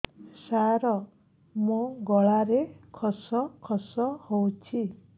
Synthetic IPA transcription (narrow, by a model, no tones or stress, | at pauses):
saɾɔ | mũɡɔɭaɾekʰɔsɔkʰɔsɔhowt͡ʃʰi